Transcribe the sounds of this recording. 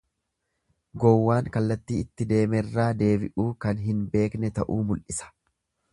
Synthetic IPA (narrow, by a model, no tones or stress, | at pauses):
ɡɔwːaːŋkɐlːɐt̪ːiːɪt̪ːɪd̪e̞ːmɛrːaːd̪e̞ːbɪʔuːkɐnɦɪnbe̞ːknɛt̪ɐʔuːmʊlʔɪsɐ̥